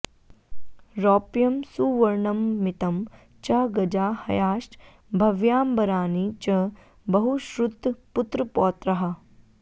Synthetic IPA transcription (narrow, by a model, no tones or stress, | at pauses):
ɾɔːpjɐmsuʋɐɾɳɐmːit̪ɐm | t͡ʃɐɡɐd͡ʒaːhɐ̰jaːʃʈ | bʱɐʋjaːmbɐɾaːnit͡ʃɐ | bɐɦuʃɾud̪put̪ɾɐpɔːt̪ɾɐɦɐ